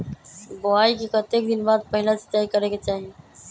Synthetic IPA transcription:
bʊaːikekət̪eːk̚d̪ɪnbaːd̪̚pəɦɪlase̥t̪ɛːjkəɾeket͡ʃaːɦeː

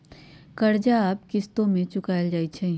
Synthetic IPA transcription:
kɐɾd͡ʒaaːpkɪst̪õmẽt͡ʃʊkaːjəld͡ʒaːit͡ʃʰɛ

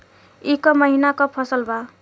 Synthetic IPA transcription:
ikɔmʌɦinakopʰʌsʌlbʱa

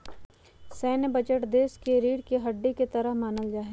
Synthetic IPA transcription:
sɛːnbɐt͡ʃəʈd̪eːskeɾiːɽkeɦɐɖːeket̪ɐɾəɦmaːnəld͡ʒaːɦe

